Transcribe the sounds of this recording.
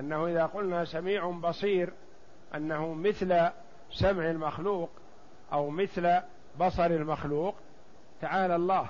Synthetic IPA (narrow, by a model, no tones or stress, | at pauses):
ʔanːahuʔɪðaːqʊlnasamiːʕʊbɑsˤiːɾ | ʔa̰nːahumɪθl | samʕɪlmaxluːq | ʔawmɪθl | bɑsˤɑɾˤɪlmaxluːq | t̪aʕaːlalˤːɑːh